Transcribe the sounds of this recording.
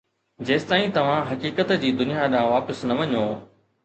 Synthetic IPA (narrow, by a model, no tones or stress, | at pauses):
d͡ʑeːst̪aːĩt̪ɐʋ̤ãɦɐkiːkət̪d͡ʑiːd̪ʊnijaɗãːʋaːpəsnɐʋɐɲoː